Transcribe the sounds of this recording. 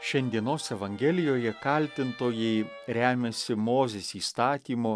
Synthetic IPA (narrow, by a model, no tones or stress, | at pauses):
ʃʲɛnʲd̪ʲiɛnoːsɛʋɐŋʲɡʲɛlʲɪjoːjɛkɐlʲt̪ʲɪnt̪oːjɛɪ | ɾʲæːmʲɛsʲɪmoːzʲesiːst̪ɑːt̪ʲiːmoː